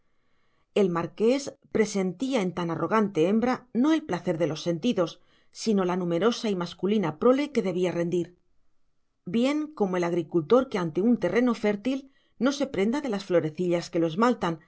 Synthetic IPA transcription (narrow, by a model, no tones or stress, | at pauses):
e̞lmaɾke̞spɾe̞se̞nt̪iae̞nt̪anaro̞ɣ̞ant̪e̞e̞mbɾano̞e̞lplaθe̞ɾðe̞lo̞sːe̞nt̪iðo̞sː | ino̞lanume̞ɾo̞saimaskulinapɾo̞le̞ke̞ðe̞β̞iare̞nd̪iɾ | bje̞ŋko̞moe̞laɣ̞ɾikult̪o̞ɾkeant̪e̞unt̪e̞re̞no̞fe̞ɾt̪il | no̞se̞pɾe̞nd̪aðe̞lasflo̞ɾe̞θiʎaske̞loe̞zmalt̪an